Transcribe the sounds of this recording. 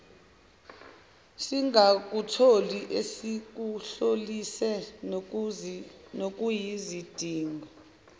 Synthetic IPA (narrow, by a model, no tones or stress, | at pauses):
siŋak̬utʰoliʔesik̬uɬolisɛ | nok̬ʼujizid̥ʱiːŋɔ